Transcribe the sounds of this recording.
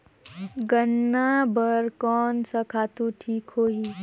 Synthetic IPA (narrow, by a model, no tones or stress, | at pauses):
ɡənːabəɾkɔːnsɐkʰaːt̪uʈʰiːkɦoːɦi